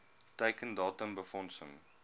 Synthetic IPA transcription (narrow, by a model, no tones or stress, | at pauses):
təjkəndɑːtəmbəfɔnsəŋ